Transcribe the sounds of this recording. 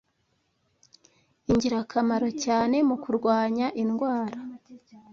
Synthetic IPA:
iɲɟiɾakʰamaɾo̞caːne̞mukuɾɡwaːɲaʔinɡwaːɾa

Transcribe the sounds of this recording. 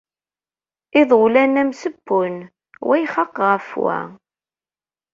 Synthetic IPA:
ɪðˤʊlænæmsəbːʊn | wʔæjχɑqʁəfwæ̰

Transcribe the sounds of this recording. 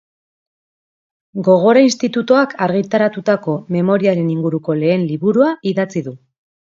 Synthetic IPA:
ɡo̞ɣ̞o̞ɾainst̪it̪ut̪oakʰaɾɣit̪aɾat̪ut̪ako̞me̞mo̞ɾiaɾe̞niŋɡuɾuko̞le̞ːnliβuɾuaiðat͡siðu

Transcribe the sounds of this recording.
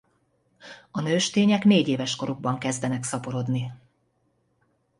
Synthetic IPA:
ɒnøːʃt̪eːɲɛkneːɟeːvɛʃko̞ɾuɡ̚bɒŋkɛzd̪ɛnɛksɒpo̞ɾo̞d̪ni

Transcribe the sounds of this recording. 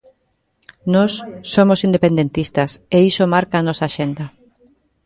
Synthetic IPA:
nosːomosind̪epẽnd̪ent̪ist̪aseisomaɾkaːnɔsaːʃend̪ɐ

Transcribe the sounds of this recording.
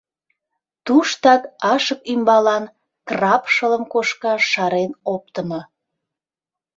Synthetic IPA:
t̪uʃt̪ɑkɑʃəkymbɑlɑn | krɑpʃələmkoʃkɑʃɑɾenop̚t̪əmo

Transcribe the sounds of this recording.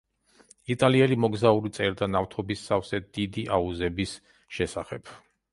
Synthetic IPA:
it̪ʼaliɛlimɔɡzauɾit̪sʼɛɾd̪anaft̪ʰɔbisːafsɛd̪̥id̪iʔauzɛbis | ʃɛsaχɛp

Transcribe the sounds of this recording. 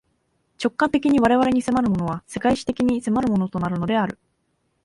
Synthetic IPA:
t͡ɕo̞kːãnt̪e̞kʲiɲ̟iβ̞aɾe̞βaɾe̞ɲ̟ise̞maɾɯ̟mo̞no̞β̞ase̞kaiɕi̥t̪e̞kʲiɲ̟ise̞maɾɯ̟mo̞no̞t̪o̞naɾɯ̟no̞d̪e̞aɾɯ̟

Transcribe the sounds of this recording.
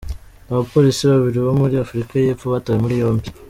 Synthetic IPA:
aβapo̞ɾisiβaβiɾiβo̞muɾiafuɾikaje̞pfoβatajemuɾijo̞ːmbi

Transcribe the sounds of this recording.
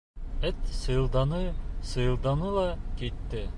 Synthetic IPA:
ɘt̪sɤ̆j̆lˠd̪ɑnɤsɤ̆jɤ̆lˠd̪ɑnɤlˠɑkit̪ːɘ

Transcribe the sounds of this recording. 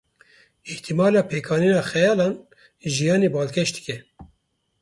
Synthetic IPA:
ɪht̪ʰimɑːlɑːpʰeːkʰɑːniːnɑːxɛjɑːlɑːn | ʒijɑːneːbɑːlkʰɛʃd̪ɨ̥kʲɛ

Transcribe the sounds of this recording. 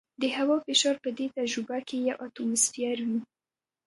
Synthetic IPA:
d̪əhawɑfɪʃɑɾpəd̪et̪ad͡ʒɾubakejawʔat̪omʊsfijaɾwi

